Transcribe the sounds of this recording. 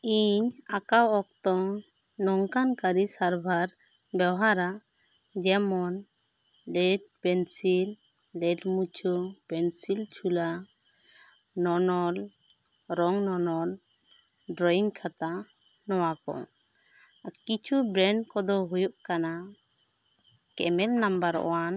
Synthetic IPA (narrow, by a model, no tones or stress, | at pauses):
iɲakawɔk̚t̪ɔŋ | nɔŋkankaɾisaɾbʱaɾbɛwɦaɾaʔ | d͡ʒɛmɔn | ɖɛd̚pɛnsil | ɖɛʈmut͡ʃʰupɛnsilt͡ʃʰula | nɔnɔl | ɾɔŋnɔnɔl | ɖɾɔiŋkʰat̪a | nɔwakɔ̰ | akit͡ʃʰubɾɛɳɖkɔd̪ɔɦujuʔkana | kɛ̰mɛlnambaɾɔ̰wan